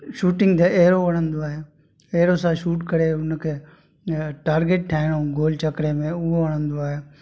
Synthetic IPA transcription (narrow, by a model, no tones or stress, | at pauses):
ʃuːʈɪ̃ŋɡt̪eʔeːɾoʋəɽ̤̃ə̃nd̪oaːɦeː | eːɾosãʃuːʈkəɾeːʊnkʰeː | ʈaːɾɡeʈ̚ʈʰaːɪɽ̃oɡoːlt͡ʃɐkɽemẽʊɦoʋəɽ̤̃ə̃nd̪oaːɦeː